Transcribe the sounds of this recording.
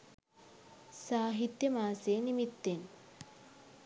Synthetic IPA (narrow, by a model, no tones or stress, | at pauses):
saːɦit̪jɐmaːseːnimit̪ːen